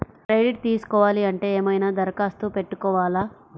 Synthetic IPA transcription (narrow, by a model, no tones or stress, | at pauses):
kɾejɖiʈ̚t̪iːsu̥kɔːʋaːliɐɳʈe̞ːeːmɐjnaːd̪ɐɾɐkaːst̪upe̞ʈːukɔːʋaːlaː